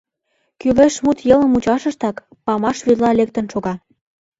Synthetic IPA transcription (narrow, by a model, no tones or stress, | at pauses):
kyleʃmut̪jɤlə̆mut͡ɕɑʃə̆ʃt̪ɑkpɑmɑʃβylɑlek̚t̪ə̆nʃoɣɑ